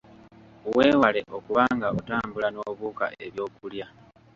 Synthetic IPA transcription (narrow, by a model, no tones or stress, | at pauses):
we̞ːwale̞ʔo̞kuβaːŋɡaotaːmbulano̞βuːka̰ʔe̞βjo̞ːkulja